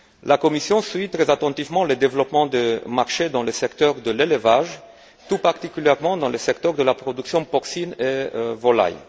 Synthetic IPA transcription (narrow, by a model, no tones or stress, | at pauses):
lakɔmisjɔ̃sɥit̪ʁɛzat̪ɑ̃t̪ivmɑ̃ləd̪evlɔpmɑ̃d̪əmaʁʃed̪ɑ̃ləsɛkt̪œʁd̪əleləvaʒ | t̪upaʁt̪ikʲyljɛʁmɑ̃d̪ɑ̃ləsɛkt̪œʁd̪əlapʁɔd̪yksjɔ̃pɔksinevɔla̰j